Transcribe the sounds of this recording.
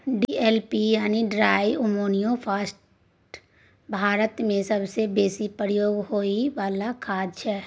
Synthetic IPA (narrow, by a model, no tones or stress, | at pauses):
ɖeːlpijaːniɖɾaːiʔʊmoːnijõpʰaːsʈ | bʱaːɾət̪mẽsɐbsebeːsipɾəjoːɡɦoːiʋaːlakʰaːd̪ʃʰɛː